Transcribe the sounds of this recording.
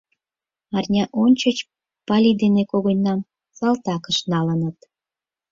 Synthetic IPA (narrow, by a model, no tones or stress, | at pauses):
ɑrnʲɑʔonʲt͡ɕət͡ɕ | pɑlʲid̪enekoɣonʲːɑm | sɑlt̪ɑkəʃnɑlənət̪